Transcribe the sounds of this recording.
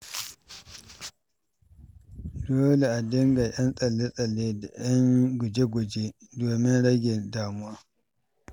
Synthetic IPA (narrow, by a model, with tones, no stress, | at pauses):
doː˦le˨ʔa˨dɪ˦ŋɡa˨j̰ɐ˦nsʼɐ˨lːe˦sʼɐ˨lːeː˦da˨j̰ɐ˦ŋɡʷʊ˨d͡ʒe˦ɡʷʊ˨d͡ʒe˦doː˨mɪ˦nɽɐ˦ɡʲe˨ndaː˨mʊ˦waː˦